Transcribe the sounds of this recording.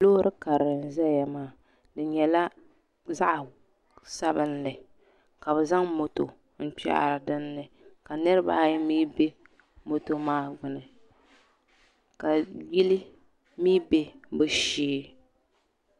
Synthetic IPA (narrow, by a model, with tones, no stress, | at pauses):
lo˦ɾʔɨ˦ka˨ɾɨ˨n̩˨zɛ˦ja˨maː˦˨ | dɨ˨ɲɛ˨la˦ | za˦ʔ | sa˦bɨ˦nlɨ˨ | ka˨βɛ˨za˦ŋmo˨to˨ | n̩˦˨k͡pa̰˦ʔɾɨ˨dɨ˦nːɨ˨ | ka˨nɨ˦ɾɨ˦ba̰ː˦jmiː˦be˦ | mo˨to˨maː˦ɡ͡bʊ˨nɨ˨ | ka˨ji˦li˦ | miː˦be˦bɨ˦ʃiː˦